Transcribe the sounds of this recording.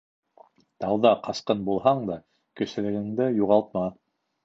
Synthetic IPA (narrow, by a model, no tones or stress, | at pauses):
t̪ɑwðɑqɑsqɤnbulˠɦɑɴd̪ɑ | kɵ̆sɘ̆lɘ̆ɡɘ̆ŋd̪ɘjuʁɑlˠt̪̚mɑ